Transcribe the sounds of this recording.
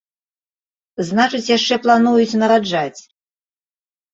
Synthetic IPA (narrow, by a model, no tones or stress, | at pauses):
znat͡ʂɨt͡sʲjaʂt͡ʂɛplˠanujut͡sʲnɐɾad͡ʐat͡sʲ